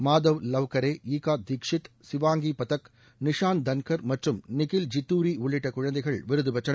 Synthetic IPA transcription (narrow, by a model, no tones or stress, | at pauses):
maːd̪ɐʋlɐʋkɐɾeːiːkaːd̪ɪkʂɪt̪sɪʋaːŋɡiːpɐt̪ɐk | nɪʂaːnd̪ɐnkɐɾmɐʈrɯmnɪkɪld͡ʒɪt̪ːuːɾiːʊɭːɪʈːɐkʊɻɐnd̪ɐɪɣɐɭʋɪɾɯðɯbɐt͡ʃːɐɳ